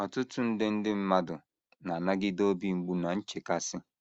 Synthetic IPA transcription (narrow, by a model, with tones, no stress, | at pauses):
ɔ˨tʊ˦tʊ˦n̩˦dɪ˦n̩˦dɪ˦m̩˦ma˦dʊ˨ | na˨a˨na˦ɡɪ˦do˦bi˦ŋ͡m̩˨ɡ͡bu˦na˨n̩˦t͡ʃe˨ka˦sɪ˦